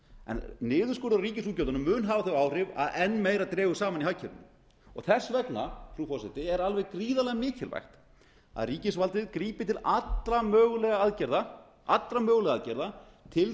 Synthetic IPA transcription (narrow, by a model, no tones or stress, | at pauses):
ɛ̰nnɪːðʏskoːɾawriːcɪsuːcowt̪anʏmːʏːnɦaːvaθœaːwrɪva̰ðɛnːmejɾat̪ɾɛːɣʏsaːmanihajcʰɛɾɪnːʏ | ɔ̰ɣθɛsːvɛknafɾufɔrsɛt̪ɪɛɾalvɛɣkɾiːðalɛɣamɪːcʰɪlva̰jxt̪ | a̰ðriːcɪsvalt̪ɪðkɾiːpɪt̪ʰɪlat̪ɾamœːɣlɛɣaaðcɛɾða | ʔat̪lɾamœːɣlɛɣaaðcɛɾða | t̪ʰɪl